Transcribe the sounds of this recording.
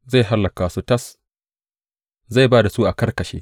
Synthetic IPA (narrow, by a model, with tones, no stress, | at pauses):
za˦˨jɦa˦lːɐ˨kaː˨su˦tɐ˦s | za˦˨jbaː˦da˨suː˦ʔa˨kɐ˦rkɐ˨ʃḛː˦